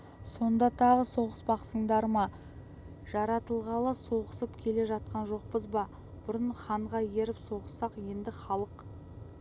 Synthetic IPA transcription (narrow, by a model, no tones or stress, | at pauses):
so̞nd̪ɑt̪ʰɑʁəso̞ʁəsbɑqsəɴd̪ɑɾmɑ | ʒ̥ɑɾɑt̪əlˠʁɑlˠəso̞ʁəsəpkʲʰe̞le̞ʒɑt̪̚qɑnʒo̞q̚pəzbɑ | b̥ʊɾənχɑɴʁɑje̞ɾɪpso̞ʁəsːɑqje̞nd̪ɪχɑlˠəq